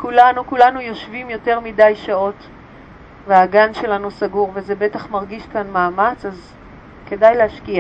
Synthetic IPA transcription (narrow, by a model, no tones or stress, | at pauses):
kulanukulanujo̞ʃvimjo̞te̞ʁmidajʃao̞t | veaɡanʃe̞lanusaɡuʁvezebe̞taχmaʁɡiʃkanmaːmat͡saz | ke̞dajlehaʃkia